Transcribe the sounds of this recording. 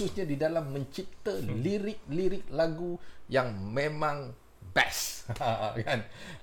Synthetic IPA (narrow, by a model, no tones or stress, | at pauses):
usɲãdidalamːə̃ɲt͡ʃip̚t̪aliɾɪk̚liɾɪk̚laɡujaŋmẽmãŋ | bɛs | kan